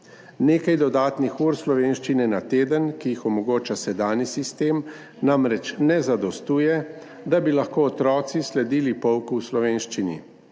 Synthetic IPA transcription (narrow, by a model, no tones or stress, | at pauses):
neːkajd̪ɔd̪aːt̪nixuːɾslɔʋeːnʃt͡ʃinɛnat̪eːd̪ənkijixɔmɔɡoːt͡ʃasɛd̪aːnisist̪eːm | namɾɛt͡ʃnɛzad̪ɔst̪uːjɛ | d̪abilaxkoːt̪ɾɔːt̪sislɛd̪iːlipɔwkuwslɔʋeːnʃt͡ʃinḭ